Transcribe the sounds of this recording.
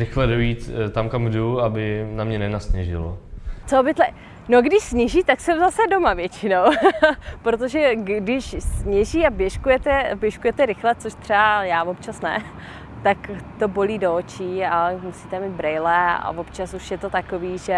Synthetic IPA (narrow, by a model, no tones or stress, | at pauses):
ɾɪxlɛdojiːt̪t̪amkamɡduabɪnamɲɛnɛnasɲɛʒɪ̰lo̰t͡sobɪt̪lɛ | noɡdɪʃsɲɛʒiːt̪aksɛmzasɛdo̞mavjɛt͡ʃɪnow | pɾot̪̬oʒɛɡdɪʃsɲɛʒiːabjɛʃkujɛt̪ɛbjɛʃkujɛt̪ɛɾɪxlɛt͡soʃt̪r̥ɛajaːvop̚t͡ʃasnɛ̰ | t̪akt̪o̞bo̞liːdo̞ot͡ʃiaɛmusiːt̪ɛmiːd̪̚bɾɛjlɛa̰vo̞pt͡ʃasuʃjɛt̪o̞t̪ako̞viːʒɛ